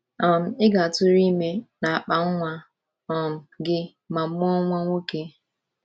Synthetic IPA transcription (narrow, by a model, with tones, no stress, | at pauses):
ɔ˨m̩˨ɪ˦ɡa˨a˨tʊ˦ɾi˦me˦na˨a˨k͡pa˨˦ŋ̩˦ŋʷa˦ | ɔ˨m̩˨ɡɪ˦ | ma˨˦ʊ˦ɔ˦ŋʷa˦ŋʷo˦ke˦